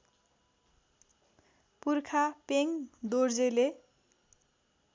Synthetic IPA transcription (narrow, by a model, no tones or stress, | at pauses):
purkʰapeŋd̪ord͡zele